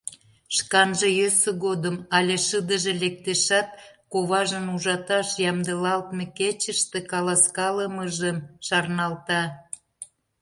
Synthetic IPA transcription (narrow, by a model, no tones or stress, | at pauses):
ʃkɑnʒĕjøsə̆ɣod̪əmɑlʲeʃəd̪əʒĕlek̚t̪eʃɑt̪̚koβɑʒənuʒɑt̪ɑʃjɑmd̪əlɑlt̪meket͡ɕəʃt̪ekɑlɑskɑləməʒəmʃɑrnɑlt̪ɑ